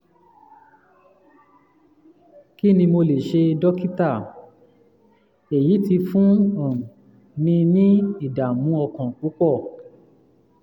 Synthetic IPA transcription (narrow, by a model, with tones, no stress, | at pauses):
ki˦˨nĩ˧mo˧le˨ʃe˧dɔ˦ki˦ta˦˨ | e˨ji˨˦ti˧fũ˦ɔ̃˨ | nĩ˧nĩ˦i˦˨da˨mũ˨˦ɔ˧kɔ̃˨k͡pu˨˦k͡pɔ˦˨